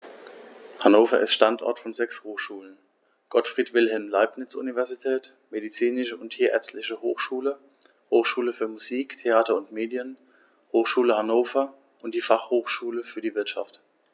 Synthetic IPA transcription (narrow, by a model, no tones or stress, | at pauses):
hanoːfɐ̰ʔɪ̰stʃtantʔɔ̰ɐtfɔnzɛkshoːxʃuːlən | ɡ̥ɔtfʁ̥iːtv̥ɪlɦɛlmlaɪpnɪt͡sṵnivɛɐzitʰɛːt | medit͡siːnɪʃəʊntʰiːɐɛ̰ɐt͡stlɪçəho̰ːxʃuːlə | hoːxʃuːləfyːɐmuziːktʰeaːtɐʊntmeːdjən | hoːxʃuːləhanoːfɐ | ʔʊntd̥iːfaχhoːxʃuːləfyːɐdiːvɪɐtʃa̰ft